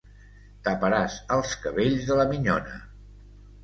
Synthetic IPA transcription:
t̪əpəɾasəlˠskəβeʎzðələmiɲɔnə̰

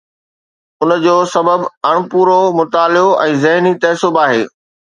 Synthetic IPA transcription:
ʊnd͡ʑoːsɐbəbɐɽ̃puːɾomʊt̪aːlɪoʔɛ̃ːzɐɦnit̪ɐːsʊbaːɦeː

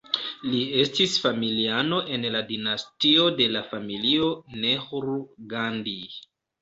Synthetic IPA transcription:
lie̞stisfamiliano̞ʔe̞nladinastio̞de̞lafamilio̞nehuɾuɡandi

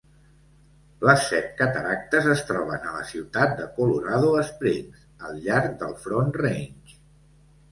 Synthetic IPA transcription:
ləsːɛt̪̚kət̪əɾak̚t̪əzəst̪ɾɔβ̞ənələ̰siwt̪at̪̚d̪əkuluɾaðuəsp̪ɾenz | əlˠʎaɾk̚d̪əlˠfɾonrent͡ʃ

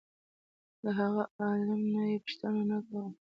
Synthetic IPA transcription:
d̪əɦaɣaɑlamnajepʊ̥ʃt̪ənanakaɾə

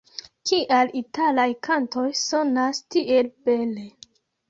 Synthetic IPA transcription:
kiʔalitalajkʰanto̞jso̞nastiʔelb̥e̞le̞

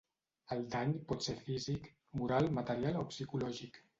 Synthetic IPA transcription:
əlˠd̪aɲpɔt̪seɾfizik | muɾalˠmət̪əɾialopsikulɔʒik

